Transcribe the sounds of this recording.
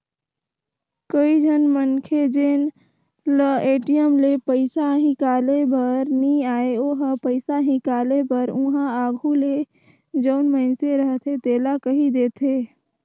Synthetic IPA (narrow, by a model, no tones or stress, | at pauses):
kəid͡ʒʱənmənkʰed͡ʒeːn | ləeːʈijəmlepəɪsaɦɪ̃kaːlebəɾnĩaːeoɦəpəɪsaɦɪ̃kaːlebəɾʊ̃ɦãaːɡʱule | d͡ʒəʊnməɪnseɾəɦt̪ʰet̪eːlakəɦid̪eːt̪ʰeː